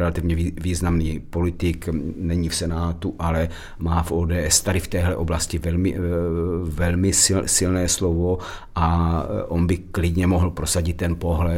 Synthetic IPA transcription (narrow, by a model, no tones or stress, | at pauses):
ɾɛlat̪ɪvɲɛiviːznamniːpo̞lɪt̪ɪknɛɲifsɛnaːt̪uʔalɛ | maːfʔoːdɛːʔɛst̪adɪft̪ɛːɦlɛʔo̞blascɪvɛlmɪ | vɛlmɪsɪsɪlnɛːslovoʔaʔonbɪklɪd̪ɲɛmoɦl̩pɾo̞saɟɪt̪ːɛnpo̞ɦlɛ